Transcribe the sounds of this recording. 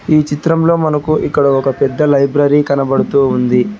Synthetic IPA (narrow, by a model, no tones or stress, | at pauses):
iːt͡ʃit̪ɾɐmlo̞ːmɐnɐkuʔikːɐɽɐɔkɐpɛd̪ːɐlɐjbɾɐɾikɐnɐbɐɽut̪uːund̪i